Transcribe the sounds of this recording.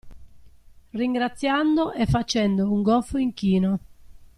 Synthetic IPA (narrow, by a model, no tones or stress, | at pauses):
riŋɡɾat̪sːjand̪oʔɛfːat͡ʃɛnd̪ouŋɡɔlfoiŋkiːno